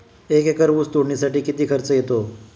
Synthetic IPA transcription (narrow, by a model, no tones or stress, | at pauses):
ekekəɾʋust̪uɽɳisaʈiːkit̪iːkʰəɾt͡səjet̪o